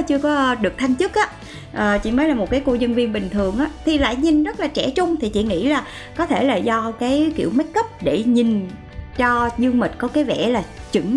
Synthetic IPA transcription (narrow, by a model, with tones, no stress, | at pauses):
t͡ɕɨ˧əkɔ˨˦ɗɨ˨˩ək̚t̪ʰa˧jŋt͡ɕɨ˦˥k̚ʔaː˨˦ | ʔəː˨˩t͡ɕḭ˧˩məː˨˦jlaː˨˩mo˨˩t̚kaː˨˦jko˧ɲə˧nvi˧ənɓï˨˩ŋ̟t̪ʰɨ˨˩əŋʔaː˨˦t̪ʰi˨˩la̰ː˧˨jɲi˨˩nzə˦˥t̚laː˨˩t͡ɕɛ˧˩t͡ɕʊ˧ŋ͡mt̪ʰi˨˩t͡ɕḭ˧˨ŋḭ˧˥laː˨˩ | kɔ˨˦t̪ʰe˧˩laː˨˩zɔ˧kaː˨˦jkḭ˧˨əwmə˨˦˥t̚kə˦˥p̚ɗe˧˩ɲi˨˩n | t͡ɕɔ˧zɨ˧ŋmi˨˩t̟̚kɔ˨˦kaː˨˦jvɛ̰˧˩laː˨˩t͡ɕɨ˧˩ŋ